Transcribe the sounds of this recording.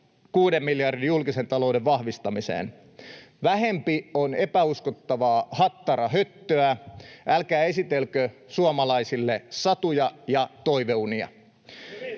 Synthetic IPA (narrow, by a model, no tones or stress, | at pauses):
kuːdemːiljɑrdijjulkise̞nt̪ɑloudeʋʋɑhʋist̪ɑmisḛːn | ʋæɦempionepæuskot̪ːɑʋɑːhɑt̪ːɑɾɑɦøt̪ːøæʔælkæːe̞sit̪elkøsuɑmɑlɑisilːesɑt̪ujɑjɑt̪oiʋeuniɑ̰